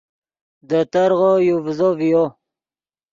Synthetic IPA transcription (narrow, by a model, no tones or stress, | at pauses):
d̪ət̪aɾʁojuvzovijo